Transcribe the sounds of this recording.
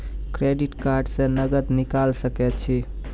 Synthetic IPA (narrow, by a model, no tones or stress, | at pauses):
kɾeɖiʈkaɾɖsẽnəɡət̪nikalsəkɛt̪̚t͡ʃʰi